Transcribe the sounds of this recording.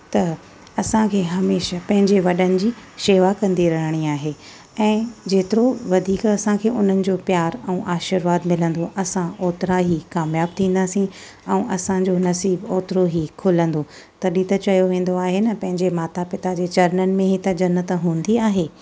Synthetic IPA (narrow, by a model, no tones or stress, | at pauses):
t̪ɐ | ɐsãkʰeːɦɐmeːʃapɐ̃ɦɪ̃ɲd͡ʑeʋɐɗənɪ̆d͡ʑiːʃeːʋakɐ̃nd̪iɾɐɦəɽ̃iaːɦe | ɛ̃ːd͡ʑeːt̪ɪɾoʋɐd̪ʱiːkɐsãkʰeːʔʊn̤ənɪ̆d͡ʑoːpjaːɾɛ̃ːʔaːʃɪɾʋaːd̪mɪlə̃nd̪oʔɐsãoːt̪ɪɾaɦikaːmjaːb̚t̪ʰĩːn̆d̪aːsĩ | ɛ̃ːʔɐsãd͡ʑonɐsiːboːt̪ɪɾoɦikʰʊlə̃nd̪o | t̪ɐɗiːt̪ət͡ɕɐjoʋẽːn̆d̪oaːɦenɐpɐ̃ɦɪ̃ɲd͡ʑemaːt̪apɪt̪ad͡ʑeːt͡ɕɐɾnənɪ̆mẽɦit̪ɐd͡ʑɐnət̪ɦũːn̆d̪iaːɦeː